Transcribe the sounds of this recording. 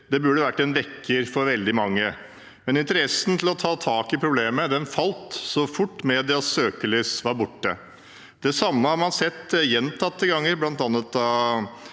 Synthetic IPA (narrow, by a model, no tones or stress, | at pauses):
d̪ɛbʉɖːəʋæʈːɛnʋɛkʰːəɾfɔɾʋɛld̪ɪmɑŋːə | mɛnɪnt̪əɾɛsn̩t̪ʰɪlɔt̪ʰɑːt̪ʰɑːkɪpʰɾʊbleːməd̪ɛnfɑlt̪sɔfʊʈːmɛd̪ɛɑsøːkəlɪːsʋɑɾbʊʈːə | d̪ɛsɑmːəhɑɾmɑnsɛt̪ːjɛnt̪ʰɑt̪ːəɡɑŋːəɾblɑnt̪ɑnːət̪ːɑ